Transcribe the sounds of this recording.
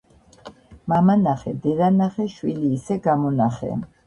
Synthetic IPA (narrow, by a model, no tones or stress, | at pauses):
mamanaχɛd̪ɛɾanaχɛʃwiliːsɛɡamɔnaχɛ̰